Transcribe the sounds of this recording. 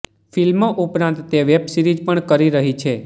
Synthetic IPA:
filmoʔupɾãnt̪ːeʋebsiɾid͡ʒpəɳkəɾiɾəɦit͡ʃʰe

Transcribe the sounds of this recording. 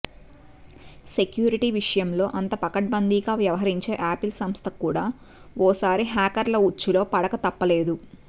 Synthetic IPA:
se̞kjuːɾiʈiːʋiʂɐjɐmlo̞ːʔɐnt̪ɐpɐkɐʈ̚bɐnd̪iːɡaːʋjɐʋɐɦɐɾiɲt͡ʃe̞ːʔaːpilsɐmst̪ʰɐkuːɽaː | ɔːsaːɾiɦaːkɐɾlɐut͡ʃːulo̞ːpɐɽɐkɐt̪ɐpːɐle̞ːd̪u

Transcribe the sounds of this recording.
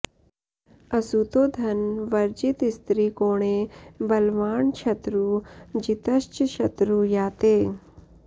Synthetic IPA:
ɐsut̪oːd̪ʱɐnʋɐɾd͡ʒit̪ist̪ɾiːkoːɳ̃ebɐlʋaːɳt͡ʃʰɐt̪ɾud͡ʒit̪ɐʃt͡ʃʃɐt̪ɾujaːt̪eː

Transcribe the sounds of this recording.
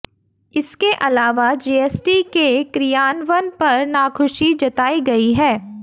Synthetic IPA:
ɪskeʔɐlaːʋad͡ʒeːeːsʈikekɾijaːnʋənpɐɾnaːkʰʊʃid͡ʒɐt̪aːiɡɐiɦɛː

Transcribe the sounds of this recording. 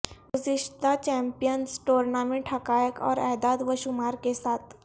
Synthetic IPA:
ɡuziʂt̪at͡ɕɛ̃mpijənsʈoɾnamĩʈʰəkajəkɔ̰ːɾɛd̪ad̪ʋəɕumaɾkesat̪

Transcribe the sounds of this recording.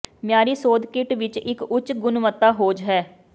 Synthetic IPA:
mjaːɾiːsoːd̪kɪʈʋɪt͡ʃɪkʊt͡ʃɡʊnʋət̪ːaːɦoːd͡ʒɦɛː

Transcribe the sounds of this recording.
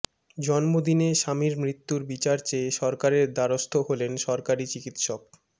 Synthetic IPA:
d͡ʑɔnmod̪ineʃamiɾmɾit̪ːuɾbit͡ɕaɾt͡ɕeʃɔɾkaɾeɾd̪aɾost̪ʰoɦolenʃɔɾkaɾit͡ɕikit̪ʃok̚

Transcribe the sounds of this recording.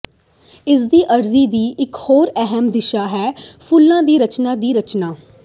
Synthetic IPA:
ɪsd̪iːʔəɾziːd̪iːʔɪkhoːɾɛɦəmd̪ɪʃaːɦɛːpʰʊlːãːd̪iːɾət͡ʃnãːd̪iːɾət͡ʃnaː

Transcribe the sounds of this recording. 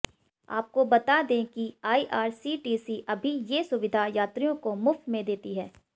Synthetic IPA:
a̰ːp̚kobɐt̪ad̪ẽkiaːiʔaːɾsiːʈiːsiʔɐbʱijesʊʋɪd̪ʱajaːt̪ɾijõkomʊft̪mẽd̪eːt̪iɦɛː

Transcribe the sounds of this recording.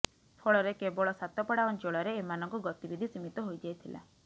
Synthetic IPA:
pʰɔɭɔɾekebɔɭɔsat̪ɔpɔɽaɔnt͡ʃɔɭɔɾeemanɔŋkɔɡɔt̪ibid̪ʱisimit̪ɔɦojd͡ʒajt̪ʰilʔa̰

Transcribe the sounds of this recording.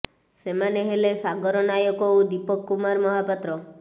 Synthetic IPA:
semaneɦelesaɡɔɾɔnajɔkɔud̪ipɔkːumaɾmɔɦapɔt̪ɾɔ

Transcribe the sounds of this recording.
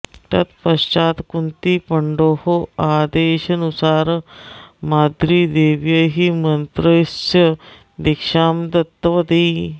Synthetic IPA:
t̪a̰t̪pəɕt͡ɕaːt̪kunt̪iːpəɳɖohoad̪eɕənusaːɾ | mad̪ɾiːd̪eʋjəɦiːmənt̪ɾəjsjə | d̪ikʂaːmd̪ɐt̪ːʋəd̪e

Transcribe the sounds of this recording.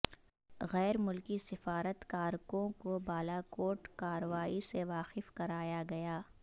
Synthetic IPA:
ɣɛːɾmʊlkisɪfaːɾət̪kaːɾkõkobaːlakoːʈkaːɾəʋaːiseʋaːqɪfkɐɾaːjaɡɐjaː

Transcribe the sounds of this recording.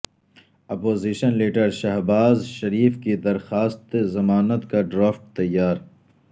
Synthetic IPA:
ɐpoːziːʃənliːʈəɾʃɐɦbaːzʃɐɾiːfkid̪ɐɾxaːst̪zɐmaːnət̪kaɖɾaːfʈt̪ɐjːaːɾ

